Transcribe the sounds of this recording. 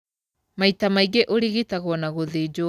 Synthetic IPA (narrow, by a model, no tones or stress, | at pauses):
maitamaiɡeʔoɾiɣitaɣwɔnaɣoðed͡ʒo